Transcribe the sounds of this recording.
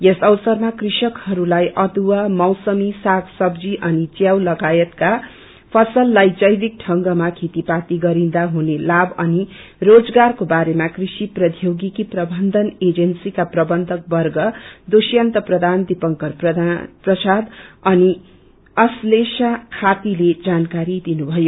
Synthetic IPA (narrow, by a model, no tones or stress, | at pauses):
jesʌwsʌrmakrisʌkhʌɾulajʔʌd̪uwamʌwsʌmisaɡsʌbd͡ziʔʌnit͡sjawlʌɡajʌt̪ka | pʰʌsʌlːajd͡zʌjbik̚ʈʰʌŋɡʌmakʰet̪ipat̪iɡʌɾĩd̪aɦunelabʌni | rod͡zɡarkobaɾemakrisiprʌd̪ʱjoɡikiprʌbʱʌnd̪ʱʌned͡zʌnsikaprʌbʌnd̪ʱʌk̚bʌrɡʌd̪osjant̪ʌprʌd̪ʱand̪ipʌŋkʌrprʌprʌsad̪ʌni | ʌslesakʰat̪iled͡zankaɾid̪inubʱʌjo